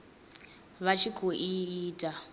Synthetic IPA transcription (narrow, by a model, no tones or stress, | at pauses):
βat͡ʃʰikʰʼoʔiːtʼa